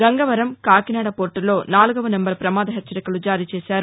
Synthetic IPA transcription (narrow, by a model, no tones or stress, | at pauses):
ɡɐŋɡɐʋɐɾɐmkaːkinaːɽɐpoːɾʈulo̞ːnaːluɡɐʋɐnembɐɾpɾɐmaːd̪ɐɦet͡ʃːɐɾikɐlud͡ʒaːɾiːt͡ʃeːsaːɾu